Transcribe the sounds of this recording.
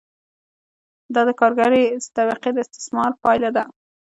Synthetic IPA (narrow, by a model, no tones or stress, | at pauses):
d̪ɑd̪əkɑɾɡaɾet̪abiqed̪əɪst̪ɪ̥smɑɾpɑjlad̪a